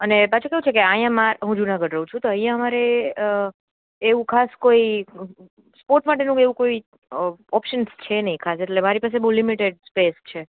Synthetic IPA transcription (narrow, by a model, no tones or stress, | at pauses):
ənepat͡ʃʰukeʋũt͡ʃʰekeajãmaɾɦũd͡ʒunaɡəɖɾəɦũt͡ʃʰũt̪oə̃ɦijãəmaɾe | ʋũkʰaskoi | spoɾʈmaʈenũeʋũkoi | ɔpʃənst͡ʃʰenəɦĩkʰaseʈlemaɾipas̬ebəwlimiʈeɖspest͡ʃʰe